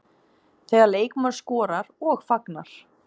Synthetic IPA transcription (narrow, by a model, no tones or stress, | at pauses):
θɛːɣaɾleːjkmaɾskɔːɾaɾɔɣfaknaɾ̥